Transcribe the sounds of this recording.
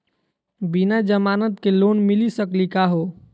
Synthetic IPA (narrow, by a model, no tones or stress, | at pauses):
binad͡ʒəmanət̪̚kelonmilisəklikaɦo